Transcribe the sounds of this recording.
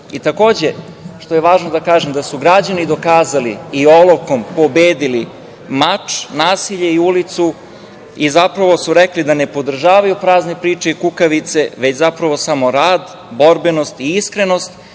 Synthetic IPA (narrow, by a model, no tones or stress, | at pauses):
it̪ako̞ːd͡ʑe̞ | ʃt̪o̞jeʋaːʒnod̪akaːʒemd̪asuɡɾad͡ʑanid̪o̞kaːzaliio̞lˠoko̞mpo̞beːd̪ili | mat͡ʂnaːsiʎeiulit̪su | izapɾaʋo̞suɾeklid̪ane̞po̞d̪r̩ʒaːʋajupɾaːzne̞pɾiːt͡ʃe̞ikukaʋit̪se̞ʋet͡ɕzapɾaʋo̞samo̞ɾaːd̪ | bo̞ɾbenost̪iiskɾe̞nost̪